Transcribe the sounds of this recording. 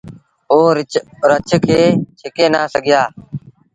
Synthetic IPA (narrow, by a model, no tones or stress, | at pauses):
oːɾɾət͡ʃʰkʰeːt͡ʃʰɪkeːnaːsəɡɪjaː